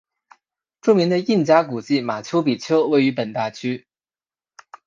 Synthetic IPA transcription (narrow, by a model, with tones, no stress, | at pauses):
ʈ͡ʂu˥˩mi˧˥ŋd̪ə˧i˥˩nt͡ɕja˥ku˨˩t͡ɕi˥˩ma˨˩t͡ɕʰjo˥ʊpi˨˩t͡ɕʰjo˥ʊwe˥˩ɪy˧˥pə˨˩nt̪a˥˩t͡ɕʰy˥